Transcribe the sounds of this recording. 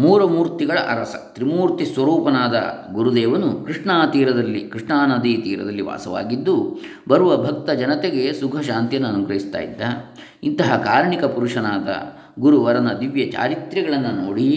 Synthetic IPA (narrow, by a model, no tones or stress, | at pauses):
muːɾɐmuːɾt̪iɡɐɭɐʔɐɾɐsɐ̰t̪ɾimuːɾt̪isʋɐɾuːpɐnaːd̪ɐ̰ɡuɾud̪ɛːʋɐnukɾiʂɳaːt̪iːɾɐd̪ɐlːikɾiʂɳaːnɐd̪it̪iːɾɐ̰d̪ɐlːiʋa̰ːsɐʋa̰ːɡid̪ːu | bɐɾuʋɐbʱɐk̚t̪ɐd͡ʒɐnɐt̪eɡe̞sukʰɐʃaːnt̪jɐnːuɐnuɡɾɐɦist̪a̰ːjḭd̪ːɐ | int̪ɐɦɐkaːɾɳikɐpuɾuʂɐnaːd̪ɐ̰ | ɡuɾuʋɐɾɐnɐd̪iʋjɐt͡ʃa̰ːɾit̪ɾɐɡɐɭɐnːɐnoːɽi